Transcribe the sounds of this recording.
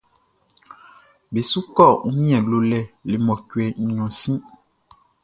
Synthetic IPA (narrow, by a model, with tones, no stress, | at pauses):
be˨su˦kɔ˦˨ŋu˦mĩ˦ɛ̃˨llo˨lɛ˦le˨mɔ̃˨cu˨ɛ˨ɲ̩˨ɲɔ̃˨sĩ˦